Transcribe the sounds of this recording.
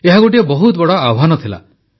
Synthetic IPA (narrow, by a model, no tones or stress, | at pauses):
eɦaɡoʈ̬iebɔɦut̪bɔɽɔaɦanɔt̪ʰila̰